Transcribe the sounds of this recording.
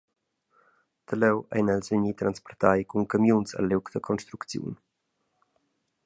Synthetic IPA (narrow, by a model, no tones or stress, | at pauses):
t̪əlɛwa̰jnɛlsvəɲit̪ɾanspɔrt̪ajkuŋkamjunsə̰lːɛwkd̪əkʰɔnʃt̪ɾukt͡sjṵn